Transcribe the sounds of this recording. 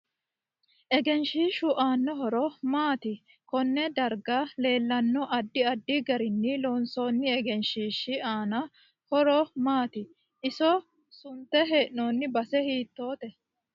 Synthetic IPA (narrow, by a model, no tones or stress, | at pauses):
ʔɛɡɛnʃiːʃʊʔaːnːɔɦɔɾɔmaːt̪ɪ | kɔnːɛd̪ɐɾɡale̞ːlːɐnːɔʔɐd̪ːɪɐd̪ːɪɡɐɾɪnːɪloːnsoːnːɪɛɡɛnʃiːʃːɪaːnɐ | hɔɾɔmaːt̪ɪ | ʔɪsɔ | sʊnt̪ːɛɦeːʔnoːnːɪbɐsɛhiːt̪ːoːt̪ɛ